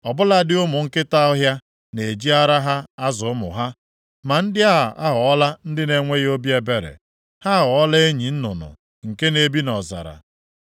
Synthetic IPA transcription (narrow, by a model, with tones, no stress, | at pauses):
ɔ˨bʊ˦la˦dɪ˦ʊ˦mʊ˨ŋ̩˦kɪ˦ta˦ɔ˦ɦja˦ | ne˨d͡ʒi˦a˦ɾa˦ɦa˦a˦zʊ˨ʊ˦mʊ̰˨ɦa˦ | ma˨n̩˦dɪ˦a˦˨a˦ɦɔ˨ɔ˦la˦n̩˦dɪ˦ne˨ŋʷe˦ɣo˦bje˨be˨ɾḛ˨ | ha˦a˦ɦɔ˨ɔ˦la˦e˦ɲi˨n̩˦nʊ˨nʊ̰˨ | ŋ̩˨ke˦ne˨bi˦nɔ˨za̰˨ɾa̰˨